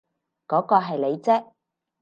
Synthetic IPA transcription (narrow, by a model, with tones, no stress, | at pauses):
kɔː˨˥kɔː˧ɦɐ˨jle˨˧jt͡sɛː˥